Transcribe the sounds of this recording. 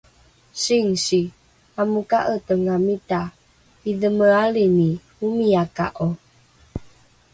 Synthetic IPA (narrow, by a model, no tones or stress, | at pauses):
siŋsi | amukaʔətəŋamita | iðəməalini | umiaka̰ʔo